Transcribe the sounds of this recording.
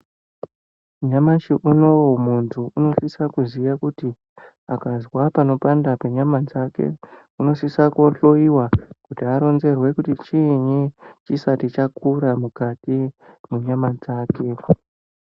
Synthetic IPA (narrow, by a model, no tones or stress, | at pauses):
ɲamaʃiʔuno̞womuntʰuuno̞sisakuziʋakuti | akazwapano̞pandapeɲamad͡zake̞̰ | uno̞sisakuoɬo̞iwakutiaɾo̞nze̞rwe̞kutit͡ʃiɲit͡ʃisatit͡ʃakʰuɾamukatimuɲamad͡zaːke̞